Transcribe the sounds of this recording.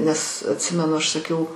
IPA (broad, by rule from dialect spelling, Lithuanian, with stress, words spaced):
nʲɛs ɐtʲˈsʲɪmʲɛnʊ ˈɐʃ sɐˈkʲɛʊ